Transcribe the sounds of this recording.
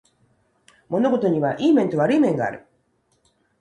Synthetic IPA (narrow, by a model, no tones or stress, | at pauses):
mo̞no̞ɡo̞t̪o̞ɲ̟iβaʔiːmẽ̞nt̪o̞βaɾɯ̟imẽ̞ŋɡa̰ːɾɯ̟